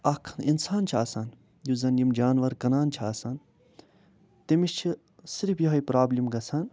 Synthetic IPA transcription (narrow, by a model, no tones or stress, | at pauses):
ɐkʰninsaːnt͡ʃʰaːsaːn | juzɐnjimd͡ʒaːnʋɐɾkɐnaːnt͡ʃʰiaːsan | t̪imiʃt͡ʃʰi | siɾifjɐɦɐipɾaːblimɡɐsʰan